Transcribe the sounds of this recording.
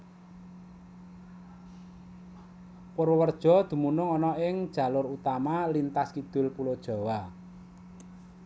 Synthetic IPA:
poɾwəwərd̥ʒ̥ɔ̤d̪̥ṳmunʊŋɔnɔɪŋd̥ʒ̥ä̤lʊɾut̪amalint̪askid̪̥ʊ̤lpulod̥ʒ̥ɔ̤wa

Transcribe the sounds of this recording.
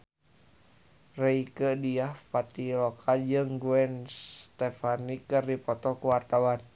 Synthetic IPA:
reikədiahpat̪ilɔkʰad͡ʒɨŋɡuɛnst̪ɛfanikɨrdipɔt̪ɔkuwart̪awan

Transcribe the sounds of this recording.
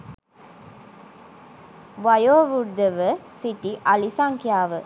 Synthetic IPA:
ʋɐjoːʋud̪əʋəsiʈiʔɐlisaŋkijaːʋə

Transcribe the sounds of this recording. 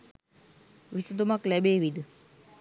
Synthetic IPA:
ʋisud̪umaklæbeːʋid̪ə

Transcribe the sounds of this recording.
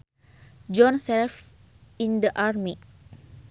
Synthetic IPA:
d͡ʒɔ̃nsɛlf | ĩndəʔarmi

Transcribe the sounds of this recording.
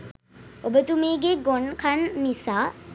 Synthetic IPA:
obət̪umeːɡeɡonkʰanːisaː

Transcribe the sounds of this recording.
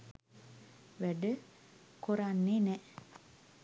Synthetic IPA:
ʋæɖə | koɾanːenɛ

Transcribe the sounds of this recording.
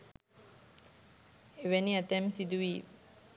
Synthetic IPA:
eʋæniæt̪ɛmsid̪uʋiː

